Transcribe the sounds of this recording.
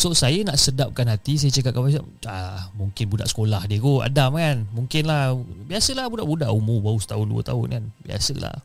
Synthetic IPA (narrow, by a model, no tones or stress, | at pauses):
sosajənaʔsədap̚kanɦat̪is̬ajət͡ʃəkat̪̚kawas̬at͡ʃamuŋkɪnbuda̰ʔsə̥kolahdiəkoa̰damkanmũŋkɪnlahbiasəlahbudaʔbudaʔumubausə̥t̪aʊnlṵə̰t̪a̰ʊnkanbia̰sə̰la̰h